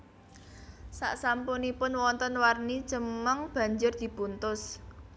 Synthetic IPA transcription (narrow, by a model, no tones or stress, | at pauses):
sa̰ʔsampunipʊnwɔnt̪ənwarni̥t͡ʃəmaŋb̥ä̤ɲd͡ʒʊrd̪̥i̤bunt̪ʊs